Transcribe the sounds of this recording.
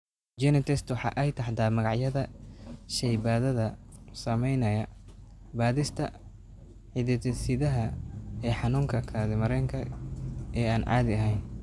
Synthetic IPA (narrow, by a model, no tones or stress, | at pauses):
d͡ʒɛnɪt̪ʰɛst̪wɑħɑ̰ːʔɛjt̪ʰɐħt̪aːmɐɣɑʕjɐðɐʃɛjbaːðɐðɐ | sɐmɛjnɐjɐ | baːðɪst̪ʰɐ | ħɪðɪt̪sɪðɐɦɐɛːħɑnuːŋkʰɐkʰaːðɪmɐɾɛːŋkʰɐ | ɛːaːnʕɑ̰ːðɪɐɦɛjn